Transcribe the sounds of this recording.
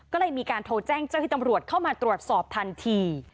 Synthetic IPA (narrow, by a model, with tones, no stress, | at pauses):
kɔː˥˩lɤː˧˩jmiː˧kaː˧nt̪ʰoː˧t͡ɕɛː˥˩ŋt͡ɕa˥˩wh̪ʰi˥˩ta˧mɾu˨˩ət̪̚kʰa˥˩wmaː˧t̪ɾu˨˩ət̪̚sɔː˨˩p̚t̪ʰa˧nt̪ʰiː˧